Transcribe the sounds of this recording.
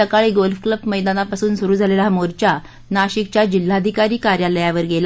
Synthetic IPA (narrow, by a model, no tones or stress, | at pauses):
əkaɭiːɡolfkləbməjd̪anapasuːnsuɾuːd͡zʱalelamoɾt͡ɕja | naɕik̚t͡ɕjad͡ʑil̤ːad̪ʱikaɾiːkaɾjaləjaʋəɾɡela